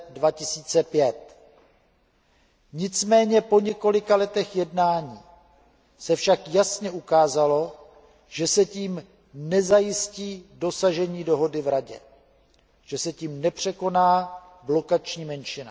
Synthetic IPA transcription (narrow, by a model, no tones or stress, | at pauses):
dvacɪsiːt͡sɛpjɛt̪̚ | ɲɪt͡smɛːɲɛpo̞ɲɛko̞lɪkalɛt̪ɛxjɛdnaːɲiː | sɛfʃakjasɲɛʔukaːzalo̞ | ʒ̥ɛsɛciːm | nɛzajɪsciːdo̞saʒɛɲiːdo̞ɦo̞dɪvɾaɟɛ̰ | ʒ̥ɛsɛciːmnɛpr̝̥ɛko̞naː | blo̞kat͡ʃɲiːmɛnʃɪna